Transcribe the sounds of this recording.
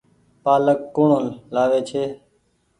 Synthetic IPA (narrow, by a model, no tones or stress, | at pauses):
paːləkːoːɳõːlaːʋeːt͡ʃʰeː